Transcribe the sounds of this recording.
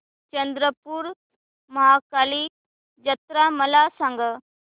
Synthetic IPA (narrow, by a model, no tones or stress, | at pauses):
t͡ɕənd̪ɾəpuːɾ | məɦakaliː | d͡ʑət̪ɾaməlasaŋɡə